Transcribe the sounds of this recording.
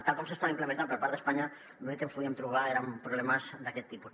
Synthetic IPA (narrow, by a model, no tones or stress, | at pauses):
t̪alkɔmsest̪aβaimplemẽnt̪anpəɾpaɾt̪ðəspaɲa | noekenspuðiemt̪ɾuβ̞aeɾampɾuβlemazd̪akɛt̪ːipus